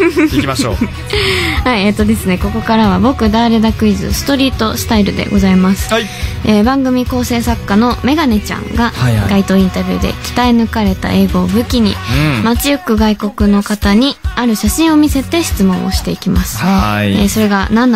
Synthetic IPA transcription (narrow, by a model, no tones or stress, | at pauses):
o | haiet̪ːo̞d̪e̞sɨne̞ko̞ko̞kaɾaβ̞abo̞kɯ̟d̪aːɾe̞d̪akɯ̟izɨ̰sɨ̥t̪o̞ɾʲiːt̪o̞sɨ̥t̪aiɾɯ̟d̪e̞̰ɡo̞zaimasɨ̥ | eːbãŋɡɯ̟mʲiko̞ːse̞ːsakːano̞me̞ɡane̞t͡ɕã̰ŋɡaɡait̪o̞ːĩnt̪abʲjɨ̰ːd̪e̞̰kʲi̥t̪ainɯ̟kaɾe̞t̪a̰ʔe̞ːɡo̞ːbɯ̟kʲiɲ̟ḭmat͡sɨjɯkːɯ̟ɡaiko̞kɯ̟no̞kat̪aɲ̟iaɾɯ̟ɕaɕĩɰ̃o̞mʲise̞t̪e̞ɕi̥t͡sɨmõ̞ɰ̃o̞̰ɕi̥t̪e̞ikʲimasɨ̥eːso̞ɾe̞ɡanãnː